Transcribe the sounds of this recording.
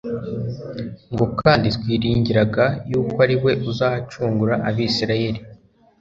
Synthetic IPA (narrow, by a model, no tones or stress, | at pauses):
ŋɡo̞kaːnditkwiːɾiːɲɟiɾaɡajuːkaɾiwe̞ʔuzaːhat͡ʃuːŋɡuɾaʔaβisiɾaje̞ɾi